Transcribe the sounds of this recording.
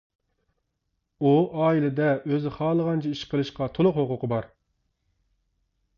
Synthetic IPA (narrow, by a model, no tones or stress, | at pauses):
uʔɑːilɪd̪ɛʔøzɪχɑːlˠəʁɑnt͡ʃʰiiʃqʰəlˠɨʃqɑt̪ʰolˠʊqhoqʰʊqʰəbɑɾ